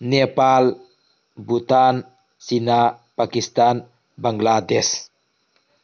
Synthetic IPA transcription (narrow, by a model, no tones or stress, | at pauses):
nepal | but̪an | sinapakist̪an | baŋɡlad̪ɛs